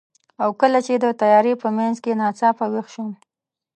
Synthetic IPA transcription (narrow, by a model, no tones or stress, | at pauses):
awkəlat͡ʃed̪ət̪ajɑɾepəmanzkenɑt͡sɑpawexʃum